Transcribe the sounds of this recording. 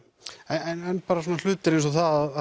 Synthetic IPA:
ɛnɛnɛnːpaːɾasɔːnal̥ʏːt̪ɪɾejns̬ɔθaðaða

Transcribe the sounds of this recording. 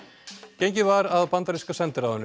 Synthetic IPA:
cejɲcɪvaɾaðpant̪aɾiskasɛnt̪ɪɾawhɛnːʏ

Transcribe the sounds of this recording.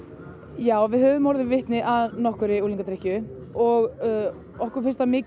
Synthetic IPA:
jaːwvɪðhœːvʏmɔɾðɪvɪht̪nɪʔaðnɔhkʏɾɪuliŋkat̪ʰɾɛhcʏ | ɔɣ | ɔhkʏɾ̥fɪ̥rst̪amɪːc

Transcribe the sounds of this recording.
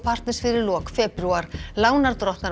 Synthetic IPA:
pʰar̥t̪nɪsfɪðɪɾlɔːkfɛːpɾuaɾ̥laːwnaɾ̥t̪ɾɔht̪na

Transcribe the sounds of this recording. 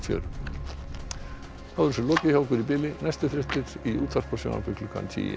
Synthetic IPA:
fjœ̰ɾʏ | θaðʏɾsʏlɔːcɪçjawkʏɾipɪːlɪnɛjst̪ʏθɾɪht̪ɪɾiṵːt̪far̥pɔ̥sjo̰wna̰pʏklʏkʰa̰nt̪ʰḭːjɪ̰

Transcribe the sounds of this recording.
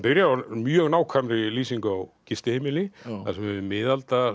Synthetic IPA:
pɪɾjaaɾmjœːɣnaːwkʰvamɾɪliːsiŋkawcist̪ɪheːmɪlɪθasɛmɛmɪːðalt̪a

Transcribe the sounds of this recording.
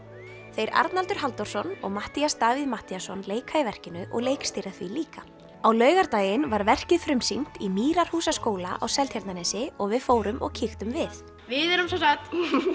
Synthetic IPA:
θejɾa̰ɾt̪nalt̪ʏɾ̥ɦalt̪ɔwɾ̥sɔnɔ̰ɣmaht̪iast̪aːviðmaht̪iasɔnleːjkhaɪvɛr̥cɪnʏʔɔ̰ɣleːjkst̪iːɾaθviliːka | awlœːɥɣaɾt̪aːjɪnvaɾvɛr̥cɪðfɾʏmsin̥t̪imiːɾaɾ̥huːsaskoːwla̰ʔawsɛlt̪çaɾt̪nanɛːsɪɔɣvɪðfoːwɾʏmʔɔ̰ɣcʰixt̪ʏmvɪθ | vɪðɛɾʏmsɔsaxt̪

